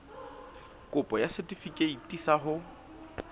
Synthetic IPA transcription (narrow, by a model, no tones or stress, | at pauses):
kʼʊpʼɔjasɛtʼifikʼeitʼisaɦʊ